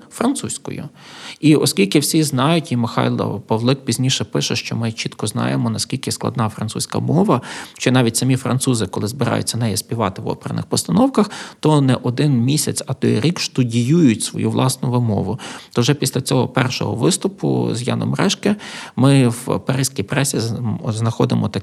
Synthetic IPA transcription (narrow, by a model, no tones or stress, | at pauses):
fɾɐnt̪susʲkɔ̰jʊ̰iʔɔsʲkʲilʲkɪwsʲiznɑjʊtʲimɪxɑ̰jl̰ˠpɔʋlˠɪk̚pʲizʲnʲiʃɛpɪʃɛʃt͡ʃɔmɪt͡ʃit̪kɔznɑ̰jemɔnɐsʲkʲilʲkɪsklˠɐ̰d̪nɑfɾɐnsusʲkɐ̰mɔʋɐʃt͡ʃɔnɑʋʲitʲsɐmʲifɾɐ̰nt̪suzɪkɔlˠɪzbɪɾɑ̰jʊ̰t͡sʲːɐnɛjɛsʲpʲiʋɑt̪ɪʋɔ̰peɾɐ̰nɪ̰xpɔst̪ɐnɔwkɐxt̪ɔnɛʔɔd̪ɪnmʲisʲɐt͡sʲɐt̪ɔ̰jɾʲikʃt̪ʊdʲijujʊtʲsʋɔ̰juʋlˠɑsnʊʋɪmɔ̰ʋʊt̪ɔʒɛpʲisʲlʲɐt͡sʲɔɦɔ̰pɛrʃɔ̰ɦɔ̰ʋɪst̪ʊpʊ̰zjɑ̰nɔ̰mɾɛʃkɛmɪwpɐɾɪsʲkʲijpɾɛsʲiznɐxɔd̪ɪmʔɔt̪ɐ